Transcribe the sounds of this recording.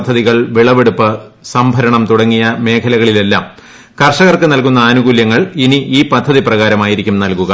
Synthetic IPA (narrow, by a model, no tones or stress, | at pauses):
d̪ʱːɐðiɣɐɭʋiɭɐʋeɽupːɨsɐmbʱɐɾɐɳɐmt̪uɽɐŋːijɐme̞ːkʰɐlɐɣɐɭile̞lːa̰ːm | kɐrʂɐɣɐrkɨnɐlkunːɐːnuɣuːljɐŋːɐɭiniʔiːpɐd̪ʱːɐðiprɐɣaːɾɐmaːjiɾikʲːumnɐlkuɣɐ